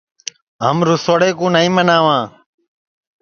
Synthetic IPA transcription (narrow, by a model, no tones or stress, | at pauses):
ɦə̰mɾʊsoɽeːkõːnəĩːmənaːʋãː